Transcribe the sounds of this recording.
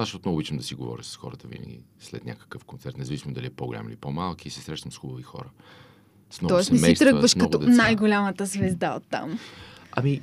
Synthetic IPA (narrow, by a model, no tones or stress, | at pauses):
aʃɛot̪nɔvobit͡ʃəmd̪ɐsiɡovɔ̰ɾʲəsə̥sxɔ̰ɾət̪əvḭnə̰ɡʲḭslɛ̰t̪nʲa̰kə̥kəfkont̪sɛɾt̪nɛzəvisimod̪ɐliɛpoɡolʲa̰milipɔmalˠkiːsɛsɾɛʃnəmsxubəvixɔ̰ɾə | snɔt̪ɔɛsɛnɛmsɛijst̪ɾɤɡvəʃnkɐɔɡ̪ɔd̪najɡolʲamət̪əzvɛzd̪aot̪ːa̰m | ɐmi